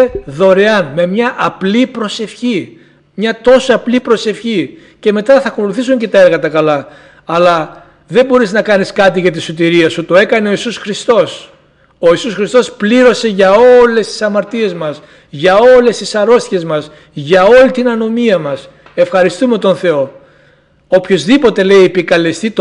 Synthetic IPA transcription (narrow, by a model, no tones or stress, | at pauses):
eðo̞ɾe̞ɐnme̞mɲɐʔɐplipɾo̞se̞fçi | mɲɐt̪o̞soɐplipɾo̞se̞fçi | ce̞me̞t̪ɐθɐko̞luθisuɲce̞t̪ɐe̞ɾɣɐt̪ɐkɐlɐ | ɐlɐ | ðe̞mbo̞ɾiznɐkɐniskɐt̪iʝɐt̪̬isut̪̬iɾiɐsut̪o̞e̞kɐne̞o̞isusxɾist̪o̞s | o̞isusxɾist̪o̞spliɾo̞se̞ʝɐo̞le̞st̪i̥sɐmɐɾt̪ie̞zmɐs | ʝɐo̞le̞st̪isɐɾo̞st̪çe̞zmɐs | ʝɐo̞lit̪inɐno̞miɐmɐs | e̞fxɐɾist̪ume̞t̪o̞nθe̞o̞ | opço̞zðipo̞t̪e̞le̞iepikɐle̞st̪it̪